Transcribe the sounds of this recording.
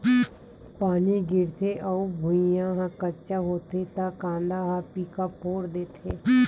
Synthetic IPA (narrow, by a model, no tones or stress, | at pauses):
paːniɡɪɾt̪ʰeʔɔbʱʊijãɦãkət͡ʃaɦoːt̪et̪akãːnd̪aɦaːpikapoːɾd̪eːt̪ʰeː